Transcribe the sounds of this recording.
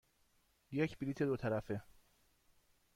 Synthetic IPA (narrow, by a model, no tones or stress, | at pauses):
jecʰbiliːt̪ʰed̪ot̪ʰæɾæfe